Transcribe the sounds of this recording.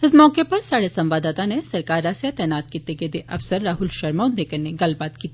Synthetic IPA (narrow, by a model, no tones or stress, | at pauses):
ɪsmɔːkepɐɾsaːɽesɐ̃mʋaːd̪aːt̪anesɐɾkaːɾaːsjat̪ɛːnaːt̪kit̪eked̪eʔɐfsəɾːaːɦʊlʃɐɾmaːnd̪ʱeːkɐneɡɐlbaːt̪kiːt̪ː